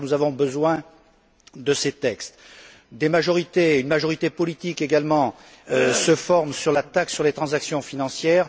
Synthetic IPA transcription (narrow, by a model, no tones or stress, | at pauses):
nuzavɔ̃bəzwɛ̃ | d̪əset̪ɛkst̪ | d̪emaʒɔʁit̪eynmaʒɔʁit̪epɔlit̪ikeɡalmɑ̃ | səfɔʁmsyʁlat̪aksyʁlet̪χɑ̃zaksjɔ̃finɑ̃sjɛːʁ